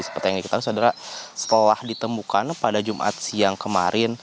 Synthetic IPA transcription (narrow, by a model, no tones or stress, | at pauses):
isə̥pərt̪ijaŋɡikit̪ausaodaɾasə̥t̪əlahdit̪əmukanpadad͡ʒumʔa̰t̪̚siaŋkəma̰ɾʔɪn